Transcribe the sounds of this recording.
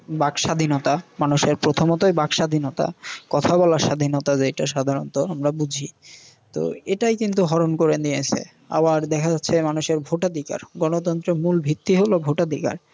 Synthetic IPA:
bakʃad̪ʱinot̪amanuʃeɾpɾot̪ʰomot̪ojbakʃad̪ʱinot̪a̰kɔt̪ʰabɔlaʃad̪ʱinot̪ad͡ʑeʈaʃad̪ʱaɾont̪oamɾabud͡ʑʱi | t̪o̰eʈajkint̪uɦɔɾonkoɾend̪iesʰḛ | a̰baɾd̪ɛkʰad͡ʑatːʰemanuʃeɾbʱoʈad̪ʱika̰ɾɡɔnot̪̬ɔnt̪ɾemulbʱit̪ːiɦolobʱoʈad̪ʱika̰ɾ

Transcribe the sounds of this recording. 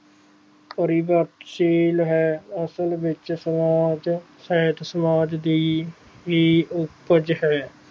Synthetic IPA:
kəɾiːbəɾt̪ʃiːlɦɛːəsəlʋɪt͡ʃsəmaːd͡ʒ | sɛɦət̪səmaːd͡ʒd̪iː | ɦiːʊpəd͡ʒɦɛː

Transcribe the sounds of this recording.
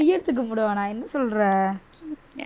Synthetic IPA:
ʊjːɐɽɯt̪ːɯk̬ːɐmʊɽɯʋaːnaːɛnːɐsɔlɾɐ

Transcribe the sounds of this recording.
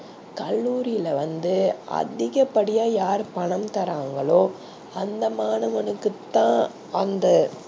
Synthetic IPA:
kɐlːuːɾɪjɪlɐʋɐnd̪ɯɐ̰ðɪɣɐpːɐɽɪjaːjaːɾpɐɳɐmt̪ɐɾaːŋɡɐɭoː | ɐnd̪ɐmaːnɐʋɐnɯkːɯt̪ːãː | ɐnd̪ɐ

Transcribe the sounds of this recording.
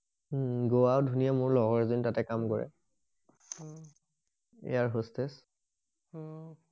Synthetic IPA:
ɡowawdʱunijamʊɹlɔɡɔɹzintatɛkamkɔɹɛ̰ | ḛjaɹɦostes

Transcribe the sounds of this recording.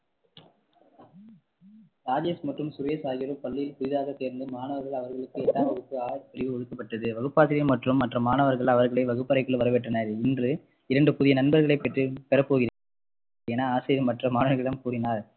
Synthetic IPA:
ɾaːd͡ʒesmɐʈrɯmsʊɾjɐsaːɣɪɾɯpɐɭːɪjɪlpʊðɪðaːɣɐseːɾnd̪ɯmaːnɐʋɐɾɣɐɭɐʋɐɾɣɐɭɯkːɯɛʈːaːʋɐɣɯkːɯaːɻpʊɾɪʋɯɔɻɯkːɐpːɐʈːɐðɯʋɐɣɯpːaːsɪɾɪjɐmɐʈrɯmːɐʈrɐmaːnɐʋɐɾɣɐɭɐʋɐɾɣɐɭɐɪʋɐɣɯpːɐɾɐɪkːɐɭʋɐɾɐʋɛʈːɐnɐɾɪndrɯ | ɪɾɐɳɖɯpʊðɪjɐnɐnbɐɾɣɐɭɐɪpːɛʈːrɯpɛɾɐpːoːɣɪɾ | eːnaːaːsɪɾɪɐmɐʈrɐmaːnɐʋɐɾɣɐɪɽɐmkuːɾɪnaːɾ

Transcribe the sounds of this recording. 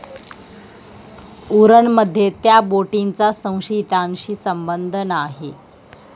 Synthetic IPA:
uɾəɳməd̪ʱːjet̪jaboʈint͡sasə̃w̃ɕit̪aŋɕiːsəmbənd̪ʱənaɦe

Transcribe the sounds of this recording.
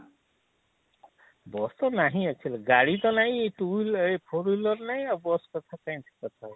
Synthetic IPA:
bɔst̪ɔnaɦĩat͡ʃʰilɡaɽit̪ɔnaɦĩʈulpʰoɾulɔɾnaj̃abɔskɔt̪ʰakaĩt̪ʰi̥kɔt̪ʰa

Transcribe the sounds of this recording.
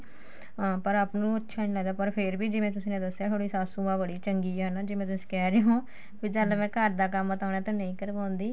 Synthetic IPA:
pəɾaːpnũːətːʃʰaːnĩlaːd̪aːpəɾpʰɪɾbiːd͡ʒɪʋẽːt̪ʊsĩːnẽːd̪əsjaːt̪ʰoːɽiːsaːsũːãːbəɽiːt͡ʃəŋɡiːənaːd͡ʒɪːmẽːt̪ʊsĩ̥ːkɛːɾeːɦõː | biːd͡ʒəlmɛ̃ːkəɾd̪aːkəmːət̪aːnaːt̪ãːnəĩːkəɾʋãːʊ̃nd̪iː

